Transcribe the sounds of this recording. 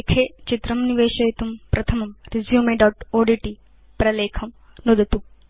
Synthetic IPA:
kʰeːt͡ʃit̪ɾɐmniʋeːʃɐjɐt̪umpɾɐt̪ʰɐmɐmɾizjuːmeːɖɐwʈoːɖiʈi | pɾɐleːkʰɐm | nud̪ɐt̪u

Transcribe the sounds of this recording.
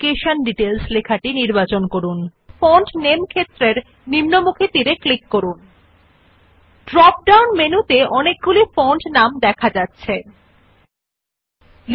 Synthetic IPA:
keʃanɖiʈelslekʰaʈiniɾbat͡ɕonkoɾun | foɳʈnemkʰet̪ːɾeɾ | nimnomukʰet̪iɾeklikːoɾun | ɖɾɔp̚ɖawnmenut̪eʔɔnek̚ɡulifoɳʈnamd̪ɛkʰad͡ʑatːɕʰe | l

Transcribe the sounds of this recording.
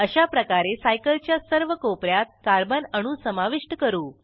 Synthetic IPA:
əɕapɾəkaɾesajkəlt͡ɕjasəɾʋəkopɾjat̪̚kaɾbənəɽ̃ũsəmaʋiʂʈəkəɾuː

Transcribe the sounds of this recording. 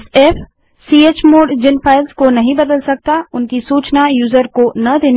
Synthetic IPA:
seːf | siːeːt͡ʃmoːɖd͡ʒɪnpaːɪlzkonɐɦĩbɐd̪əlsɐk̚t̪aʊnkisuːt͡ʃnajuːzəɾkonɐd̪eːn

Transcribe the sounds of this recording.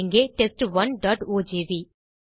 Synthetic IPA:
ŋɡeʈeːsʈʋɐnɖɔːʈoːd͡ʒeːʋiː

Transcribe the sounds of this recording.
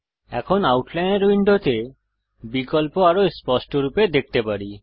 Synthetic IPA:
ɛ̰kʰonawʈlajneɾwiɳɖot̪e | bikɔlpoaɾoespɔsʈoɾuped̪ek̚ʰt̪epaɾi

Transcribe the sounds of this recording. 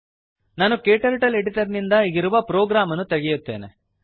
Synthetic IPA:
naːnukeːʈɐɾʈɐleɽit̪ɐɾnind̪ɐiɡiɾuʋɐpɾoːɡɾaːmɐnut̪eɡɛjut̪ːe̞̰ːnḛ

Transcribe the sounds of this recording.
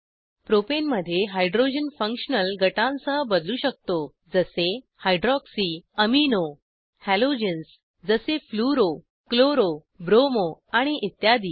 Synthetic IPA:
pɾopenməd̪ʱːjeɦajɖɾod͡ʑənfə̃ŋkʂənəlɡʱəʈãnsəbəd̪luːɕək̚t̪o | d͡zəse | hajɖɾɔksiəmino | hælod͡ʑəns | d͡zəsefluɾo | kloɾo | bɾomoaɽ̃iʔit̪jad̪iː

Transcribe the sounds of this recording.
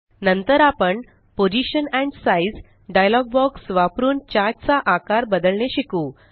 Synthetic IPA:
nənt̪əɾapəɳ | pod͡ʑiɕənɛ̃ɳɖsaid͡z | ɖajlɔɡ̚bɔksʋapɾuːnt͡ɕad͡ʑt͡saʔakaɾbəd̪əɭɳeɕikuː

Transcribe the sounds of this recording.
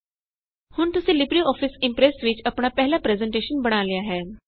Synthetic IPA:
hʊɳt̪ʊsĩːlɪbɾiɔːfʰɪsɪ̃mpɾɛsʋɪt͡ʃəpɳaːpɛɦlaːpɾɛːzɛ̃ɳʈeːʃənbəɽ̃aːlɪjaːɦɛː

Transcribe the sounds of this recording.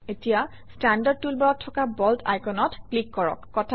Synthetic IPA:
etija | standad̚tulbɔɹɔtʰːɔkabɔltʰa̰jkɔnɔtklikːɔɹɔ̰kːɔtʰ

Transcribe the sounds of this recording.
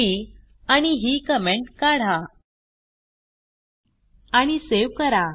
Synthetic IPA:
i | aɽ̃iɦiːkəmeɳʈkaɽ̤a | aɽ̃iseʋkəɾa

